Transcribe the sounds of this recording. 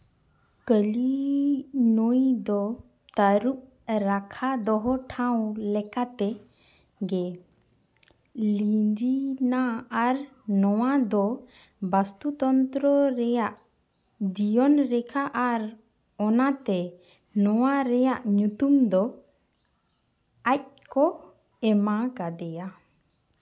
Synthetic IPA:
kəli | nojd̪ɔ | t̪aɾuʔ̚ | ɾakʰad̪ɔɦɔʈʰãw̃lɛkat̪ɛ | ɡɛ | lid͡ʒinaːɾ | nɔwad̪ɔ | bast̪ut̪ɔnt̪ɾɔɾɛjaʔ | d͡ʒijɔnɾɛkʰaʔaɾ | ɔnat̪ɛ | nɔwaɾɛjaʔɲut̪umd̪ɔ | ac̚kɔ | ɛmakad̪ɛja

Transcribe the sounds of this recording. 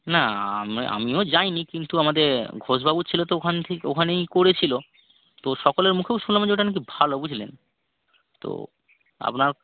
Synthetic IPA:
naa̰m̰ʔa̰miod͡ʑajnikint̪uamad̪eɾɡʱoʃbʱabut͡ɕʰilot̪ookʰant̪ʰekeo̰kʰanejkoɾet͡ɕʰilo | t̪oʃɔkoleɾmukʰeoʃunlamad͡ʑoʈanak̬ibʱalobud͡ʑʱlḛn | t̪o̰ | a̰pnaɾ

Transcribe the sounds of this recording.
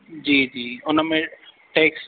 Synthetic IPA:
d͡ʒiːd͡ʒiːʊnãmẽ | ʈeːks

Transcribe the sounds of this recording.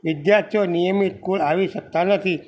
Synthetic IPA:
ʋɪd̪jaɾt̪ʰijonijəmit̪kulaʋiʃək̚t̪anət̪ʰi

